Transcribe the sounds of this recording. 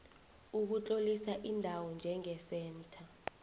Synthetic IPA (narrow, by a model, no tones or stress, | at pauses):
uk̬ut͡ɬʼolisaʔindʱawɔnd͡ʒʱɛŋɛsɛːntʰa